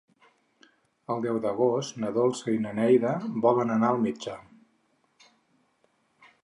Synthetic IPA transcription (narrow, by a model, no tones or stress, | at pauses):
əlˠd̪ɛwd̪əɣost̪nəðolˠsəinənɛjðəbɔβənənaəlˠmid͡ʒə